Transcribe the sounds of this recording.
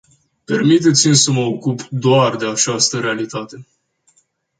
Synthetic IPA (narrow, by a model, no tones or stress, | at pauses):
pe̞rmit̪̬e̞t̪simsəməokupd̪oard̪e̞at͡ʃast̪əɾealit̪at̪e̞